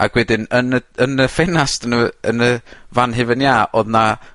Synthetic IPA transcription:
a̰ɡwɛdɪnənəənəfɛnastənəənəvanɦɪvɪnjaːʔɔðna

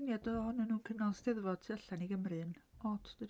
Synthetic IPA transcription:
njadɔhɔnɨnuːnkʰəmnalˠsdɛðvɔd̥tʰaɬaniɡəmrɨnɔtʰd̥əd

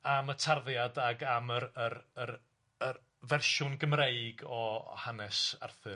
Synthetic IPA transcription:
amətʰarðjadaɡaməɾərər | ər | vɛrʃʊnɡəmreɨɡɔhanɛsa̰rθɨ

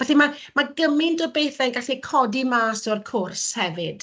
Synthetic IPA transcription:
vɛɬimamaɡəmɪndɔbejθɛɡaɬikʰɔdimaːsɔrkʰʊrshɛvɨd̥

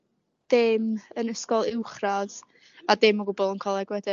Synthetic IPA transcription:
d̥ɪmənəskɔlˠɪwχrað | adɪmɔɡʊbɔlˠənkʰɔlˠɛɡwɛdɪ

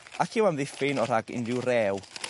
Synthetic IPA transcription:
akʰɪwamðɪfɪnɔɾaɡɪ̰ndɪwrɛːw

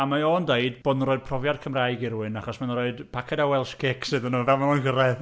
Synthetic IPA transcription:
amaondeɨdbɔdnroːɨd̥̚pʰrɔvjad̚kʰəmrajɡɪɾuɨnaχɔsmannroɨdpʰakʰɛdawɛlˠʃkʰeksɨðənuːvɛlˠmalɔnɡəɾɛð

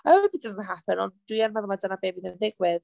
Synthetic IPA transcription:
obid̥əzəntɦapənɔ̰̃nd̥wianmaðɔmadənabebiðɪnðɪɡwɪð

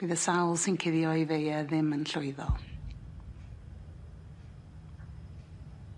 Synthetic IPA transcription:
b̥iːðəsawlˠsɪnkʰɪðjɔjðejɛðɪmənɬʊɨðɔ̰lˠ

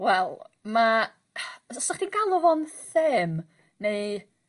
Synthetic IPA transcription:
wɛlˠma | ɔsaχd̥iɡalˠɔvɔnθɪm | nej

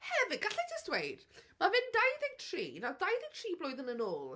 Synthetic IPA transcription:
hɛvɪɡaɬɛtʰɪstwejd̥mavɪndajðɪŋtʰr̥ḭːnadajðɪŋtʰriːblʊjðənənoːlˠ

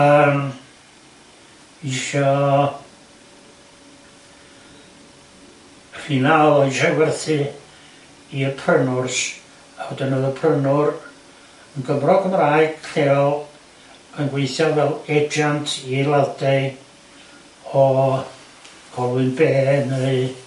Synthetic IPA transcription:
əːm | ɪʃɔ | hinalˠɔɪʃɔwɛrθɨ | iəpʰrənʊrs | ahɔdənəðəpʰrənʊr | ənɡəmrɔkʰəmraːɨɡ̥ɬeːɔlˠ | ənɡweɨθjɔvɛlˠɛd͡ʒantʰilˠadeɨd | ɔ | ɡ̥ɔlˠwɨnbeːnəɨ

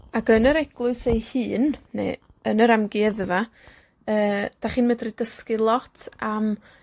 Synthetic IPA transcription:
akənəɾɛɡ̥lˠʊɨsejhɨːnːḛ | ənəɾamɡiɛðva | əːd̥aχiːnmədridəskɨlˠɔtʰam

